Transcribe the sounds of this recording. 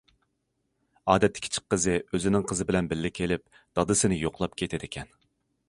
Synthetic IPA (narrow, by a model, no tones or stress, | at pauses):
ɑːd̪ɛt̪ʰːɪ̥kʲʰt͡ʃʰɪ̥k̚qːəzɨøzɪnɪŋqʰəzɨbɪlɛnbɪlːɪkʲʰelɪp̚ | d̪̥ɑd̪ɨsɨnɪjoqlˠɑpkʲʰet̪ʰɪd̪ɪkʲʰɛn